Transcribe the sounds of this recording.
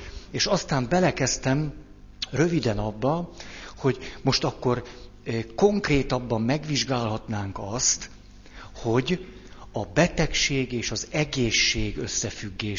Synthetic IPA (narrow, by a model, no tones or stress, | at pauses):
eːʃɒst̪aːmbɛlɛkɛst̪ɛm | røvid̪ɛnɒbːɒho̞ɟmo̞ʃt̪ɒkːo̞r | ko̞ŋkreːt̪ɒbːɒmːɛɡʋiʒɡaːlɦɒt̪naːŋkɒst̪ | ho̞ɟ | ɒbɛt̪ɛkʃeːɡeːʃɒzɛɡeːʃːeːɡø̞sːɛfyɡːeː